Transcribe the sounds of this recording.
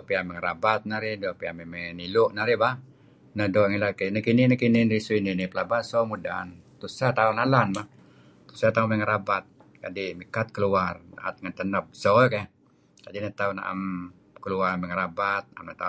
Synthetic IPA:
oʔpiamɛŋəɾabat̪̚naɾɪdɔʔpiamemɛnilʊʔnaɾibah | nədoʔŋilakenəkinɪnəkinɪnɾisuininipəlabasomuda̰nt̪usat̪aunalanmah | t̪u̥sat̪amɛŋəɾabat̪̚ | kadimikat̪̚kəluara̰ʔa̰t̪̚ŋant̪ənəp̚sojka | kadinət̪auna̰ʔa̰m | kəluarmɛŋəɾabat̪̚a̰mnat̪a

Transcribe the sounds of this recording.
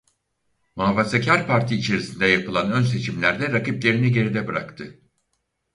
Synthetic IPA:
mavasecʰaɾpʰaɾt̪ʰiːt͡ʃʰe̞ɾisind̪ɛjapɯlˠanø̞nse̞t͡ʃʰimlʲæɾd̪ɛɾakiplʲe̞ɾiniɟe̞ɾid̪ɛbɯɾa̰kt̪ʰɯ

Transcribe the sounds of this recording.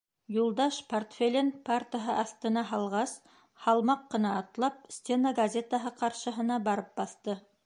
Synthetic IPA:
julˠd̪ɑʃport̪fʲelʲenpart̪əɦɤʔɑθt̪ɤ̆nɑɦɑlˠʁɑs | hɑlˠmɑqːɤ̆nɑːt̪lˠɑp̚sʲtʲenəɡɐzʲet̪əɦɤqɑɾʃɤ̆ɦɤ̆nɑbɑɾɤp̚bɑθt̪ɤ

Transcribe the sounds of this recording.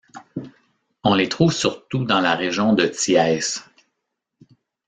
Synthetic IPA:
ɔ̃let̪χuːvsyʁt̪ud̪ɑ̃laʁeʒjɔ̃d̪ət̪iɛs

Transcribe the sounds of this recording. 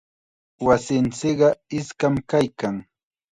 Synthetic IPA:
wasɪnt͡sɪkɢɑɪskamkajkaŋ

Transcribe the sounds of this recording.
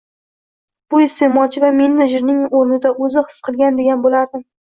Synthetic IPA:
b̥ʊɪst̪emɒt͡ʃʰɪvamenːɪʒɪɾnɪŋoɾnɪd̪aʔɵzɪhɨ̥sqʰɨlˠɡʲand̪e̞ɡʲanbolaɾd̪ɪ

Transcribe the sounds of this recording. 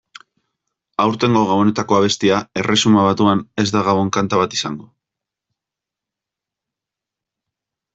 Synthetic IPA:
awɾt̪e̞ŋɡo̞ɣawo̞ne̞t̪ako̞aβ̞e̞st̪iae̞re̞sumaβat̪uane̞zd̪aɣaβ̞o̞ŋkant̪aβat̪i̥sa̰ŋɡo

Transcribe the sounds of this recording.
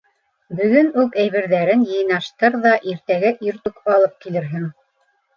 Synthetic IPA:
bɵ̆ɡɵnʉkæjβɘ̆ɾðæɾɘnjɤ̆jnɑʃt̪ɤɾðɑʔiɾt̪æɡæʔiɾt̪ʉkɑlˠɤp̚kilɘ̆ɾɦɘŋ

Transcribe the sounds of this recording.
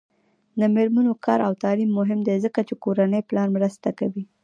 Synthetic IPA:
d̪əmɪɾmanokʰɑɾawt̪ɑlimːʊɦɪmd̪ezəkat͡ʃekoɾanəjplɑnmɾəst̪akawi

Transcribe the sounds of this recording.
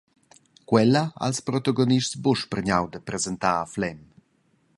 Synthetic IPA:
kwɛlaa̰lspɾɔt̪aɡoniʃtsboʃpərɲawd̪əpɾɛzɛnt̪aːflɛm

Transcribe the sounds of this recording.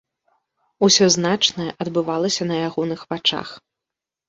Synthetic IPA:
usʲɔznat͡ʂnɐjɛʔɐd̪bɨvalˠɐsʲɐnɐjaɣɔnɨxvat͡ʂa̰x

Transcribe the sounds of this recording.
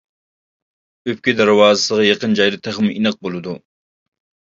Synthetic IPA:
øp̚kʲid̪æɾwɑːzɨsəʁɑjeqənd͡ʒɑjd̪ɨt̪ʰæχmɪinɨq̚bolˠɨd̪u

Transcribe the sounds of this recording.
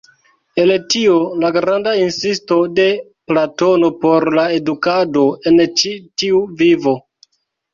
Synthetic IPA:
e̞ltiolaɡɾandainsisto̞de̞ | plato̞no̞po̞ɾlae̞dukado̞e̞nt͡ʃitiuvivo̞

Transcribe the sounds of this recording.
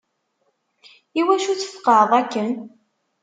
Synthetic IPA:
iwæʃut͡sːə̥fqɑðˤækːən

